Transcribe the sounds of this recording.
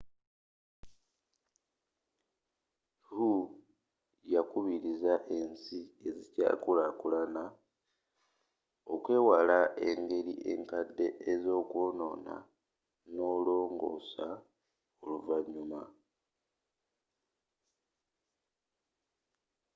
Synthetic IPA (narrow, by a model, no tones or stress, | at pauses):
hu | jakuβiɾizaʔe̞nsie̞zica̰ːkulakulana | o̞kwe̞ːwalae̞ŋɡe̞ɾiʔe̞̰ŋkadːe̞ʔezo̞ːkwo̞ːno̞̰ːna̰ | no̞lo̞ːŋɡo̞̰ːsa | oluvaɲːuma